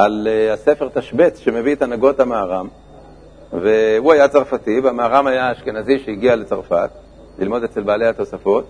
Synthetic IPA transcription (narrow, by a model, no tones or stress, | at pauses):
ʔaleasefeʁt̪aʃbetʃe̞me̞vit̪anaɡo̞tamaːʁam | ve̞huajat͡saʁfat̪ivamaːʁamajaːʃke̞naziʃeiɡiale̞t͡saʁfa̰t̪ | lḭlmo̞d̪et͡se̞lbaːle̞jhat̪o̞safo̞t̪